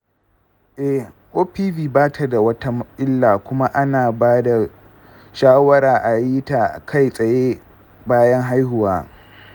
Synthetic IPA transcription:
ʔɛ˨ | ʔoː˦piː˦biː˨baː˦tʰa˨da˨wɐ˦ta˦mɪ˦lːaː˨kʷʊ˦ma˦ʔa˦naː˨baː˦da˨ | ʃaː˦wɐ˦ɾaː˨ʔa˨ji˦ta˨kʰa˦˨jsʼɐ˨jeː˦ | baː˦jɐ˦ŋɦa˦jhʊ˨waː˦

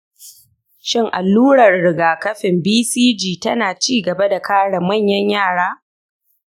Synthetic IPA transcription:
ʃɪ˦˨ŋʔa̰˨lːuː˦ɽɐ˨rɽɪ˨ɡaː˨kɐ˦ɸɪ˨mbiː˦siː˦d͡ʒiː˨tɐ˦naː˨t͡ʃiː˦ɡɐ˨ba˦da˨kaː˦ɽa˨mɐ˦˨ɲjɐ˦ɲjaː˦˨ɽaː˦

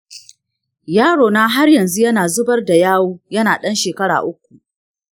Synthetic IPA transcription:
jaː˦ɽoː˨naː˦ɦa˦rjɐ˨nzu˦jɐ˦naː˨zʊ˦bɐ˦rda˨jaː˦woː˦jɐ˦naː˨ɗɐ˦nʃeː˨kɐ˦ɽa̰ː˨ʔʊ˦k̚ʷːu˨ʔ

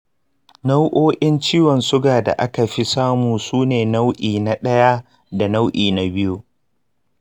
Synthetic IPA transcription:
na˦wʔoː˦ʔɪ˦nt͡ʃiː˦wɔ˨nsʊ˦ɡaː˨da̰˨ʔa˦ka˨ɸi˦saː˦muː˨suː˦neː˨na˦wʔiː˨na˦ɗɐ˦ja˦ | da˨na˦wʔiː˨na˨bɪ˦ju˦

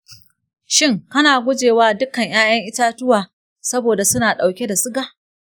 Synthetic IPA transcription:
ʃɪ˦ŋkɐ˦naː˨ɡʷʊ˦d͡ʒeː˨waː˦dʊ˦kɐ˨ɲjaː˦jɐ˦ŋʔɪ˦taː˦tʊ˦waː˨ | sɐ˦boː˨da˨sʊ˦naː˨ɗa˨wkʲe˦da˨sɪ˦ɡaː˨

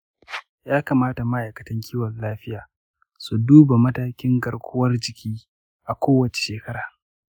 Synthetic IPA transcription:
jaː˦ka˨maː˦ta˨mɐ˦ʔa˨kɐ̥˨tɐ˦ŋkʲʰiː˦wɐ˨nlaː˦ɸɪ˦jaː˨ | su˨duː˦ba˨mɐ˦taː˦kʲɪ˦ŋɡɐ˨ɽkʷʊ˦wɐ˦rd͡ʒɪ˨kʲʰiː˦ | ʔa˨kʷoː˦wɐ˨t͡ʃe˨ʃeː˨kɐ˦ɾaː˨

